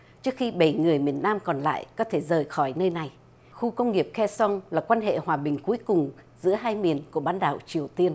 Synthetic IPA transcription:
t͡ɕɨ˦˥ək̚xi˧ɓə˧˩jŋɨ˨˩əjmi˨˩ənːaː˧mkɔ˨˩nla̰ː˧˨jkɔ˨˦t̪ʰe˧˩zəː˨˩jxɔ˧˩jnəː˧jna˨˩j | xu˧kə˧wŋ͡mŋi˨˩əp̚xɛ˧sɔ˧nlaː˨˩kwaː˧nɦḛ˧˨hwaː˨˩ɓï˨˩ŋ̟ku˨˦əjkʊ˨˩ŋ͡mzɨ̰˧˥əɦaː˧jmi˨˩ənku˧˩əɓaː˧˦nɗa̰ː˧˨˩wt͡ɕi˨˩əwt̪i˧ən

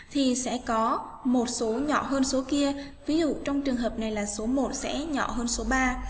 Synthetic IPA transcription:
t̪ʰi˨˩sɛ̰˧˥kɔ˨˦ | mo˨˩t̚so˨˦ɲɔ̰˧˨ɦəː˧nso˨˦ki˧ə | vi˨˦zṵ˧˨t͡ɕɔ˧wŋ͡mt͡ɕɨ˨˩əŋɦəː˨˩p̚na˨˩jlaː˨˩so˨˦mo˨˩t̚sɛ̰˧˥ɲɔ̰˧˨ɦəː˧nso˨˦ɓaː˧

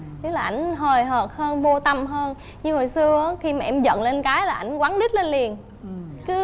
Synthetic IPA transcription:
t̪ɨ˨˦˥laː˨˩ʔa˧˩jŋ̟ɦəː˨˩jɦəː˨˩p̚həː˧nvo˧t̪ə˧mɦəː˧n | ɲɨ˧ho˨˩jsɨ˧əʔaː˨˦xi˧maː˨˩ʔɛ˧mzə̰˧˨nle˧nkaː˨˦jlaː˨˩ʔa˧˩jŋ̟kwaː˨˦nɗi˦˥t̚le˧nli˨˩ən | kɨ˨˦

